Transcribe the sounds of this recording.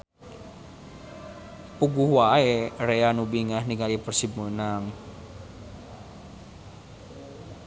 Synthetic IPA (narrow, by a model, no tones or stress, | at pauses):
puɡuhwaereanubiŋahniŋalipərsimunaŋ